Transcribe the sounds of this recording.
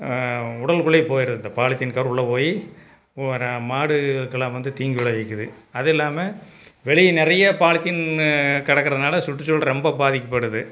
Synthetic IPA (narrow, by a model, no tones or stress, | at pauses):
ʊɽɐlkʊɭɐɪpoːjɪɾɐðɯnd̪ɐpaːɭɪt̪ːɪnkɐɾʊɭːɐpoːji | ɾmaːɽɯkːɐɭãʋɐnd̪ɯt̪iːŋɡʋɪɽɐɐɪkːɯðɯ | ɐðɪlːaːmɐ | ʋɛɭɪjnɪɾɐjɐpaːɭɪt̪ːɪnkɐɽɐkːɐɾɐðɯnaːlɐsʊʈːɯt͡ʃːɔlɐɾɔmbɐbaːðɪkːɐpːɐɽɯðɯ